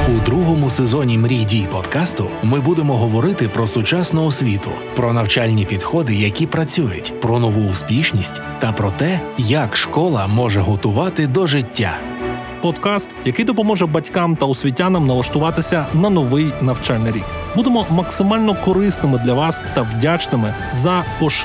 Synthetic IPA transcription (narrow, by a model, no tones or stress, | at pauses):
ud̪ɾuɦɔmʊsezɔnʲimɾʲidʲijpɔd̪kɑst̪ʊmɪbud̪emɔɦɔʋɔɾɪt̪ɪpɾɔsʊt͡ʃasnɔɔsʲʋʲit̪ʊ̰ | pɾɔnɐwt͡ʃalʲnʲipʲid̪xɔd̪ɪjɐkʲipɾɐt͡sʲujʊ̰tʲpɾɔnɔʋuːspʲiʃnʲisʲtʲ | t̪ɐpɾɔt̪ɛjakʃkɔlˠɐmɔʒɛɦɔt̪ʊʋɑt̪ɪd̪ɔʒɪtʲːa̰ | pɔd̪kɑst̪jɐkɪjd̪ɔpɔmɔʒɛbɐtʲkɑmt̪ɐʊsʲʋʲit̬ʲːanɐmnɐlˠɐʃt̪ʊʋɑt̪ɪsʲɐnɐnɔʋɪjnɐwt͡ʃalʲnɪɾʲḭk | bud̪emɔmɐksɪmɑlʲnɔkɔɾɪsnɪmɪd̪lʲɐʋɑst̪ɐwdʲat͡ʃnɪmɪ | zɐpɔʃ